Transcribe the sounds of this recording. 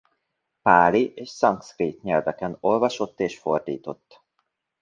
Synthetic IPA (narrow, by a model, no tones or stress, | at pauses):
paːliʔeːʃsɒŋkskreːt̪ɲɛlvɛkɛno̞lvɒʃo̞t̪ːeːʃfo̞rd̪iːt̪o̞t̪ː